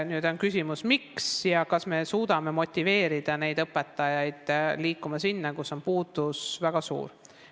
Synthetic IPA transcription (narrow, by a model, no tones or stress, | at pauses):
nyːd̪o̞nkysʲimusmiksjɑkɑsme̞suːd̪̥ɑme̞mo̞t̪ʲːive̞ːɾid̪̥ɑne̞jd̪ɤpːet̪ːˑɑjɑjd̪̥liːkːˑumɑsinːekusːo̞npuːd̪̥usvæɡ̥ɑsṵːɾ